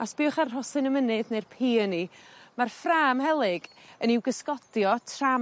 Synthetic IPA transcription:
asb̥iːʊχarrɔsɨnəmənɨðnejrpʰiːənimarfraːmhɛlˠɨɡ̥əniwɡəskɔd̥jɔtʰra

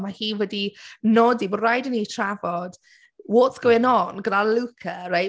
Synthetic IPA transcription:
mahiːwədinɔdibɔrajdənitʰr̥avɔd̥ | wɔtsɡ̥owɪnɔnɡənalukʰəraj

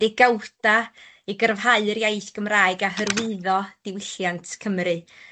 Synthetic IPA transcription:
d̥ɪɡawd̥a | iɡərvɦaɨəɾjejθɡ̥əmraːɨɡaɦərwɨðɔd̥ɪwɪɬjantʰkʰəmɾɨ

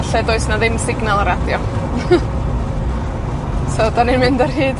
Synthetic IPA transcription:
ɬɛdoɨsnaðɪmsɪɡnalˠaɾadjɔ | sodanɪnmɪndɔrɦiːd̥

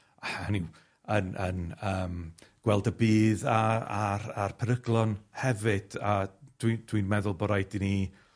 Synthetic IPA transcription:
aaniw | ənənəːmɡ̥wɛlˠdəbiːðaaɾarpʰəɾəɡlˠɔnhɛvɨd̥ad̥wid̥ʰwinmɛðʊlˠbɔɾajdini

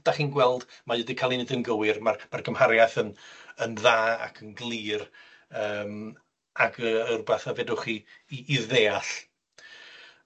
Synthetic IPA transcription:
d̥aχiːnɡwɛlˠdmajədikʰalˠinɨdənɡəwɪrmarmarɡəmhaɾjaθənənðaːa̰kʰənɡlˠiːr | əːm | aɡəərbaθavedʊχiːðeːaɬ

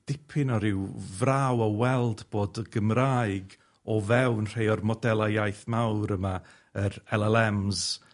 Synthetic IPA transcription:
d̥ɪpʰɪnɔɾɪwvrawɔwɛlˠdb̥oːdɡ̥əmraːjɡ | ɔvɛwnr̥ejɔrmɔdɛlˠajajθmawɾəma | əɾɛlˠɛlˠɛmz

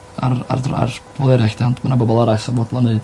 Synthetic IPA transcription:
ara̰ra̰rb̥vɔlˠɛɾaxd̥antʰmanabɔbɔlˠaɾajsavɔdlˠɔnɨɨd̥

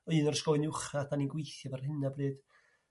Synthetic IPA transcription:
ɔɨːnɔrskɔɨnʊχataninɡwejθjavarhɨnabrɨːd̥

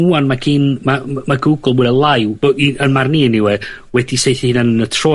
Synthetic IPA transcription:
uanmaɡʰiːnmamaɡuɡl̩ˠbudɛlˠajwboiənmarniniwɛ | wɛdisejθihiːnanənətʰrɔ

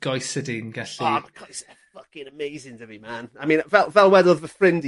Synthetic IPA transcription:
ɡ̥ɔjsədinɡɛɬikʰɔsɛ | fʌkɪnəmejzɪŋdəvimaːnamĩːnvɛlˠvɛlˠwɛdɔðvəfrɪ̃md

